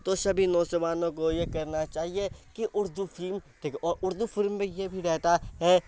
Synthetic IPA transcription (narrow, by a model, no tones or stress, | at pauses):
t̪oʃɐbʱinɔ̃ːsəʋaːnõkojekɐɾnat͡ʃaːɦiekiʔʊɾd̪ufɪlmʈʰiːkɔːɾʔʊɾd̪ufɪlmːẽjebʱiɾɛɦt̪aɦɛː